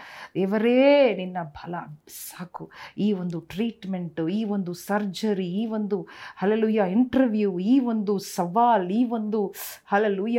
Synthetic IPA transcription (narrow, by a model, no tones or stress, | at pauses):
d̪ɛːʋɐɾeːninːɐbʱɐlɐsaːkuiːʋond̪uʈɾiːʈmeɳʈiːʋond̪usɐɾd͡ʒɐɾiiːʋo̞nd̪uhɐleluːjaːiɳʈɐɾʋjuːiːʋond̪usɐʋaːliːʋond̪uhɐleluːja